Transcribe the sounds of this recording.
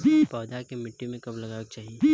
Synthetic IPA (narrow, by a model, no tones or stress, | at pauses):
bipɔːd̪akemɪʈːimẽkɐblɐɡaːk̚t͡ʃaːɦiei